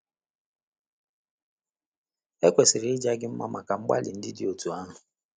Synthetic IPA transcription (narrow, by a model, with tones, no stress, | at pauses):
e˦kʷe˨sɪ˨ɾɪ˨˦ɪ˦d͡ʒa˦ɡɪ˦m̩˦ma̰˦ma˨ka˨ŋ͡m̩˦ɡ͡ba̰˦lɪ̰˨n̩˦dɪ˦dɪ˦˨o˨tu˨a˦ɦʊ˨